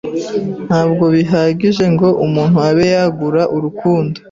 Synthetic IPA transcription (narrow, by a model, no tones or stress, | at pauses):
n̥haːbɡo̞βiɦaɟiʒe̞ŋɡo̞ʔumuːn̥huaβe̞jaɡuɾaʔuɾukuːndo